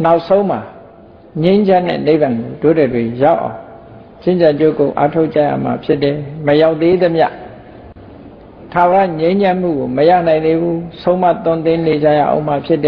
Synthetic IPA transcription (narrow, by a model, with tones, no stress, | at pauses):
na˦ʊʔsõ˦ʊ̃m̥a˨ | ɲẽ˦ɪ̃ɲd͡ʑã˦n̥ːɛ̰˦˨ne˦ɪ˨bã˨ŋɡo˨do˦˨dɛ˨dwe˨ja˦ʊʔã̰˨ʊ̃ | t͡ɕɪ̃˦˨ɲd͡ʑã˨ɲd͡ʑo̰˦˨ko̰˨ʔa̰˦tʰo˦ʔt͡ɕa̰˦˨ja̰˦˨m̥a̰˨pʰjɪ˦tːɛ˨məja˦˨ʊʔ̪t̪ːe˦d̪ə˦mja̰˦˨ʔ | tʰa˨wə˨ɾa̰˦˨ɲẽ˦ɪ̃ɲd͡ʑã˦m̥ṵ˦˨ɡo˨məja̰˦˨nã˨ɪ̃nd̪e˦bu˦sʰõ˦ʊ̃ma̰˦˨t̪ʊ̃˦˨nt̪ɪ̃˦ne˨d͡ʑa̰˦˨ja̰˦˨ʔõ̰˦˨m̥a˦˨pʰjɪ˦˨tːɛ˨